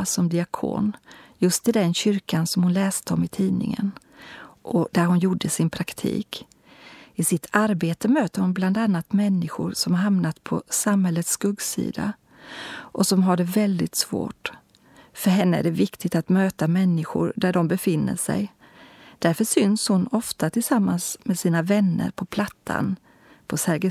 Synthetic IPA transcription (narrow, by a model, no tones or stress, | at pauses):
sɔmd̪ɪakʰo̰ːnjɵst̪ɪd̪ɛnɕʏɾkansɔmhʊnlɛːst̪əɔmɪt̪ʰiːnɪ̰ŋə̰n | ʔɔd̪̥æɾɦʊnjuɖːəsɪnpʰɾakt̪ʰḭːk | ɪsɪt̪ʰaɾbeːt̪əmøːt̪əɾhʊnbland̪anːat̪mɛnːɪɧʊ̰ɾsɔmhaɾɦamnat̪pʰɔsamhɛlːət̪sːkɵɡsḭːd̪a̰ | ʔɔsɔmɦaɖɛvɛld̪ɪt̪svo̰ːʈ | fœɾɦɛnːəæ̰ɖɛvɪkt̪ɪɡt̪at̪møːt̪amɛnːɪɧʊ̰ɾd̪æɖɔmbɛfɪnːə̰ʂɛ̰j | d̪̥æɾfœʂʏnshʊnɔft̪at̪ʰɪlsamːansmɛsiːnavɛnːə̰ɾpʰɔpʰlat̪ʰːa̰n | pʰɔsɛɾɡə